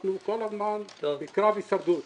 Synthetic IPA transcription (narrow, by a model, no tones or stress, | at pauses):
nukɔlɐɾmanikɾavisɐɾd̪u